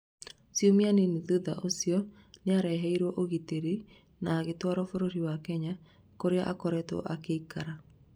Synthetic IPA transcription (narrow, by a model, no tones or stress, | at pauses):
sjomianiniðuða̰ʔosiɔ | neaɾɛɦɛiɾwɔʔoɣiteɾi | naːɣetwaɾɔfoɾoɾiwakɛɲa | koɾeaʔakɔɾɛto̰ʔakeikaɾa